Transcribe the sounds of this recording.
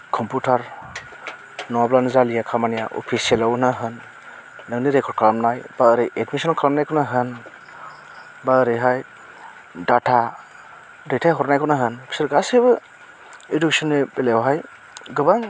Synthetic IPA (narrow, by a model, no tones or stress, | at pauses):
kʰɔmputʰaɾ | nɔablanzalijakʰamanijaʔɔ̰pʰisielawnaɦɯnː | ɯŋniɾekʰɔɾd̚kʰlamnajb̥aəɾɯjʔedmisɔnkʰalamnajkʰɔnaɦɯn | baɯɾɯjɦaj | datʰa | detʰajɦɔɾnajkʰɔnaɦɯnbʰi̥sɯɾɡasebɯ | iduksɔnebelewɦaj | ɡɯbaŋ